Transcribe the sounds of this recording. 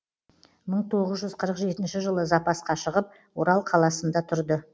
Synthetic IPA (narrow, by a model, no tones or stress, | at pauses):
məɴt̪ʰo̞ʁəzʒʏzqʰəɾəqʒe̞t̪ɪnʃɪʒəlˠəzɑpɑsqɑʃəʁəp̚ | wo̞ɾɑlˠqʰɑlˠɑsənd̪ɑt̪ʰʊɾd̪ə